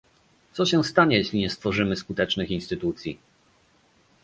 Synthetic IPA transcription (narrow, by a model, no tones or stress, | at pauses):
t̪sɔɕɛ̃st̪aɲɛjeɕlʲiɲɛst̪fɔʐɘmɘskut̪ɛt͡ʂnɘxinst̪ɘt̪ut̪sʲji